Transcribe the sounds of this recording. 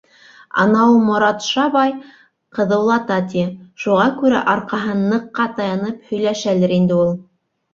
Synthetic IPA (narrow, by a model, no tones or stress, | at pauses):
ɑ̰nɑulˠmŏɾɑt̪ʃɑβɑj | qɤ̆ðɤ̆wlˠɑt̪ɑt̪̬ʲiʃuʁɑkʉɾæ̰ʔɑɾqɑɦɤnːɤ̆qːɑt̪ɑjɑnɤphɵ̆jlæʃælɘɾind̪ɘulˠ